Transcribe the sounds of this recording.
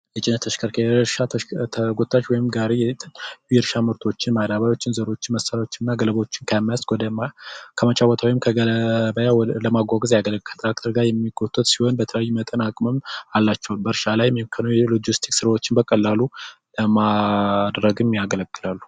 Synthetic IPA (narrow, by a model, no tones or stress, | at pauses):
jɛt͡ʃʼɪnːət̪ʰəʃkʰəɾkʰeʃat̪ʰəɡot̪ʼːaʃwɔjɪmɡaɾejɛt̪ʼjɛɾʃamɨɾt̪ʰo̞t͡ʃːɪnmad̪aβajo̞t͡ʃːɪnzəɾo̞t͡ʃːɪnməsːaɾao̞t͡ʃːɪnnːaɡələβəot͡ʃːɪnkʰajmːajasʷɔd̪əmakʰəmət͡ʃʼawɔt̪ʰawɔjɪmkʰəəbəjaləmaɡʷaɡɨzjaɡələkʰːə̥t̪ʰʼɾak̚t̪ʰəɾɡaɾjɛmːiɡot̪ʼːɨt̪siho̞nbət̪ʰələjajːumət̪ʼənakʼməmalːat͡ʃːɛwalbəɾʃalajmkʰənojɛlod͡ʒist̪ʰi̥ksɨɾawo̞t͡ʃːɪnbəkʼəlːaluləmad̪ɾəɡɨmjaɡələɡʼːɨlalːu̥